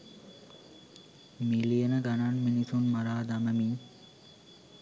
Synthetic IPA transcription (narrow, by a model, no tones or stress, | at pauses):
milijənəɡananminisunmaɾaːd̪aməmiŋ